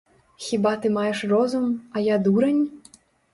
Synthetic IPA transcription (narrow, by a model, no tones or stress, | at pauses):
xʲibat̪ɨmajɛʂrɔzumɐjad̪uɾɐnʲ